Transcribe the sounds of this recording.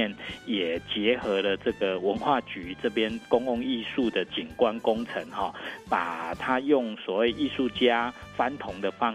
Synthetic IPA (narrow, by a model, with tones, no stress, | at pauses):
njɛ˨˩t͡ɕjɛ˨˦xɤ˧˥lə˧ʈ͡ʂɤ˥˩ɡə˩wə˧˦nxwa˥˩t͡ɕy˨˦ʈ͡ʂɤ˥˧˩pjɛ˦˥nkʊ˥ŋʊ˥˧ŋi˥˧su˥˩d̪ə˩t͡ɕi˨˩nkwa˦nkʊ˦ŋt͡sʰə˧˦ŋhɔ˥˨pa˨˩t̪ʰa˦jʊ˥˩ŋswɔ˨˩we˥˧ɪʔi˥˧su˥˩t͡ɕja˦fa˦nt̪ʰʊ˨˧˦ŋd̪ə˨fɑ˦